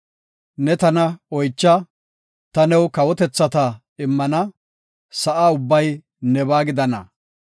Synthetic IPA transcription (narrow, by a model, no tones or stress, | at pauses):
nɛt̪ɐnɐɔjt͡ʃːɐ | t̪ɐnɛwkɐwɔt̪ɛt͡sːɐt̪ɐ | ɪmːɐnɐ | sɐʔaːʊbːɐj | nɛβaːɡɪd̪ɐnɐ̰